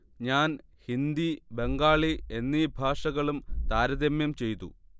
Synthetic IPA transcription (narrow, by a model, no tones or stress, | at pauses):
ɲaːnhind̪ibe̞ŋɡaːɭie̞nːibʱaːʂɐɣɐɭumt̪aːɾɐðemjɐmt͡ɕe̞jt̪ṵ